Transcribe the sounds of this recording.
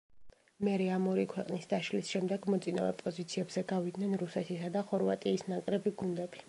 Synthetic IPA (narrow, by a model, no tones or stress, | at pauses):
mɛɾɛamɔɾikʰwɛqʼnisd̪aʃlisʃɛmd̪ɛɡmɔt̪sʼina̰vɛ̰pʼɔzit̪sʰiɛbzɛɡavid̪nɛnɾusɛt̪ʰisad̪aχɔɾva̰t̪ʼiːsnakʼɾɛbiɡund̪ɛbi